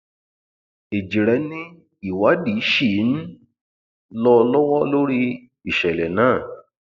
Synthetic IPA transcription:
e˨d͡ʒi˨ɾɛ˨˧˦nĩ˦ | i˨wa˨˦di˨˦ʃi˦˨˦n̩˦ | lɔ˧lɔ˦wɔ˦lo˦ɾi˦ | i˨ʃɛ˨lɛ˨nãː˦˨

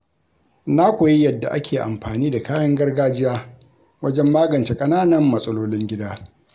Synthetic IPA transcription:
na˦kʷo˨ji˦jɐ˨dːa̰˨ʔa˦kʲʰeː˨ʔa̰˨mɸaː˨niː˦da˨kaː˦jɐ˦ŋɡɐ˦rɡaː˦d͡ʒɪ˦jaː˦ | wɐ˦d͡ʒɛ˦mːaː˦ɡɐ˨nt͡ʃe˦kʼɐ˦naː˦nɐ˨mːɐ˨sʼɐ˦loː˦lɪ˦ŋɡʲɪ˦daː˦

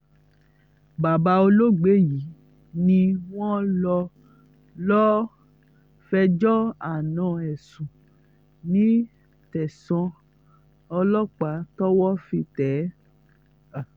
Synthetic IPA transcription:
ba˨ba˧o˧lo˦ɡ͡be˨˦ji˨˦ | nĩ˧w̃ɔ̃˦lɔ˧ | lɔ˦ | fɛ˧d͡ʒɔ˦a˨nã˨˦ɛ˨sũ˨ | nĩ˨˦ | tɛ˨sɔ̃˧ | ɔ˧lɔ˦k͡pa˨˦tɔ˦wɔ˦fi˧tɛ˨˦

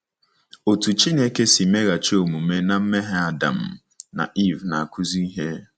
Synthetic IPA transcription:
o˨tu˨t͡ʃi˦ne˦ke˦si˨me˦ɣa˨t͡ʃo˦˨mu˨˦me˦na˨m̩˦me˦ɦe˦a˨da̰˨m̩˨ | na̰˨ʔi˦˨vna˨a˨kʰu˦zi˦i˦ɦe˦

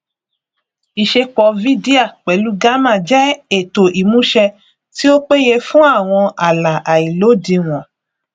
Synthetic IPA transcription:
i˨ʃe˧k͡pɔ˨˦vi˦di˦a˦˨k͡pɛ˨˦lu˨˦ɡa˦mã˦˨d͡ʒɛ˦e˨to˨ʔi˨mũ˨˦ʃɛ˧ | ti˦o˦k͡pe˦je˧fũ˦a˦˨w̃ɔ̃˧a˨la˨ʔa˨i˨lo˨˦di˧w̃ɔ̃˨

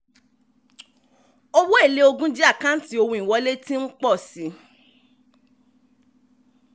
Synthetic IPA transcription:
o˧wo˦e˦˨le˨˦o˧ɡũ˦d͡ʒi˦a˦˨kã˦n̩˦ti˦o˧wũ˧˨ĩ˨wɔ˧˦le˦tĩ˦n̩˦k͡pɔ˦˨si˨˦

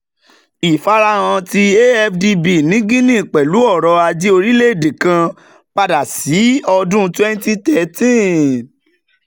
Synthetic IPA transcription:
i˨fa˧ɾa˧˦w̃ã˧ti˧e˦ɛ˧fdi˧bi˨nĩ˨˦ɡĩ˦nĩ˦˨k͡pɛ˨lu˨˦ɔ˦˨ɾɔ˧a˧d͡ʒi˦o˧ɾi˦le˦˨de˨kã˧ | k͡pa˧da˨si˨˦ɔ˧dũ˦twɛ˦n˦ti˦tɛ˨tĩ˦˨

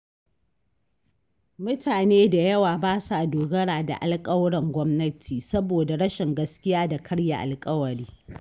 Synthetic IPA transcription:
mʊ˦taː˨neː˦da˨jɐ˦waː˨baː˦sa˨doː˨ɡɐ˦ɽaː˨da̰˨ʔa˦˨lkʼɐ˦wɽɐ˨ŋɡʷɔ˦mnɐ˦tʰiː˨sɐ˦boː˨da˨ɽɐ˦ʃɪ˨ŋɡɐ˦skʲɪ˦jaː˦da˨kʰɐ˦ɽja˨ʔa̰˨lkʼɐ˦wɐ˨ɽiː˦

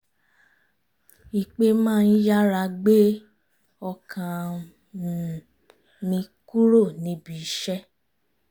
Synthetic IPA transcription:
i˨k͡pe˧mãː˦˧n̩˦ja˦ɾa˧ɡ͡be˦ | ɔ˧kʰã˧˨ | nĩ˧ku˦ɾo˦˨nĩ˧˦bi˨˦ʃɛ˦

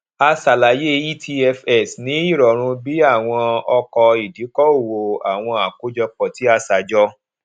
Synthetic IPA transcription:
a˧sa˨la˨je˦i˦tʰi˧ɛ˧fɛ˨snĩ˨˦i˦˨ɾɔ˨ɾ̃ũ˧bi˦a˦˨w̃ɔ̃˧ɔ˧kɔ˧i˨di˨˦kɔ˦o˦˨wo˨a˨w̃ɔ̃˧a˨ko˦d͡ʒɔ˧k͡pɔ˨ti˨˦a˧sa˨˦d͡ʒɔ˦

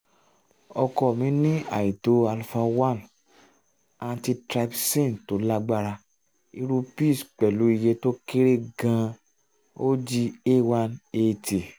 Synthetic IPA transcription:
ɔ˧kɔ˧˨mĩ˨˦nĩ˦a̰˨ji˨to˨˦a˧lfa˧wã˦˨n | ã˧ti˧tɾa˧psẽ˦˨n˨to˨˦la˦ɡ͡ba˦˨ɾa˧ | i˧ɾu˧pi˦˨sk͡pɛ˨lu˨˦i˧je˧to˦ke˦ɾe˦ɡã˧ | o˦d͡ʒi˧e˦wa˧ne˧ti˨

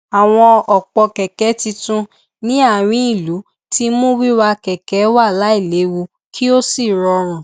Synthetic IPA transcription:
a˨w̃ɔ̃˧ɔ˨k͡pɔ˧kɛ˨kɛ˨˦ti˧tũ˧ | nĩ˦a˦˨ɾ̃ĩ˦i˦˨lu˨˦ | ti˦mũ˦wi˦wa˧kɛ˨kɛ˨˦wa˦˨la˨˦i˦˨le˨˦wu˧ | kʰi˦o˦si˦˨ɾɔ˧ɾ̃ũ˨

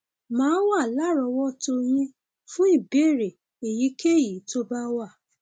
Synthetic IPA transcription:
mãː˨˦wa˦˨la˦ɾɔ˧wɔ˦to˧j̃ĩ˧ | fũ˦i˦˨be˦˨ɾe˨ | e˨ji˨˦ke˦˨ji˨˦to˦ba˦wa˦˨

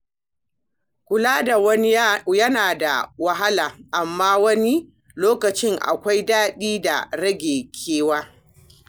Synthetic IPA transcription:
kʷʊ˨laː˦da˨wɐ˦jɐ˦naː˨da̰˨wɐ˦ɦa˦laː˨ʔa˨mːaː˦wɐ˦ni˦ | loː˦kɐ˨t͡ʃɪ˦ŋʔa̰˨kʷa˦jdaː˦ɗiː˦da̰˨ɽɐ˦ɡʲeː˨kʲʰeː˦waː˦

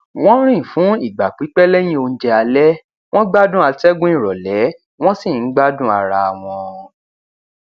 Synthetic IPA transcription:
w̃ɔ̃˦ɾ̃ĩ˦˨fũ˨˦i˦˨ɡ͡ba˨k͡pi˨˦k͡pɛ˦lɛ˦j̃ĩ˦o˧n̩˦d͡ʒɛ˧a˧lɛ˦ | w̃ɔ̃˦ɡ͡ba˦dũ˦a˧tɛ˦ɡũ˦ĩ˦˨ɾɔ˨lɛ˨˦ | w̃ɔ̃˦si˦˨n̩˨˦ɡ͡ba˦dũ˦a˧ɾa˧a˨w̃ɔ̃˧

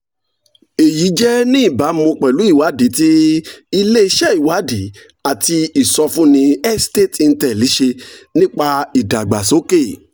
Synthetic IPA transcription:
e˨ji˨˦d͡ʒɛ˦nĩ˦i˦˨ba˨˦mõ˧k͡pɛ˨lu˨˦i˦˨wa˨˦di˨˦ti˦i˧le˦i˧ʃɛ˦i˨wa˨˦di˨˦ | a˦˨ti˧i˨sɔ˧fũ˦nĩ˧ɛ˦ste˦˨ti˧n̩˦tɛ˨li˨˦ʃe˧nĩ˦k͡pa˧i˨da˨ɡ͡ba˨so˨˦ke˦˨

